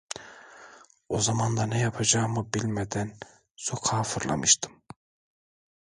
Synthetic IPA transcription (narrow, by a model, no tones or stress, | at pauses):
o̞zamand̪anɛjapʰad͡ʒaːmɯbilʲmed̪æn | sokʰaːfɯɾlˠa̰mɯʃt̪ʰɯ̥m